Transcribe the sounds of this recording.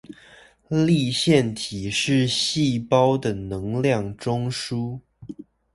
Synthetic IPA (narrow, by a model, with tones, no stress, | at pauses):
li˥˧ɕjɛ˥˩nt̪ʰi˨˩ʂɻ̩˥˧ɕi˥˨pɑ˦˥ʊd̪ə˨nɤ˧˦ŋljɑ˥˨ŋʈ͡ʂʊ˥ŋʂu˥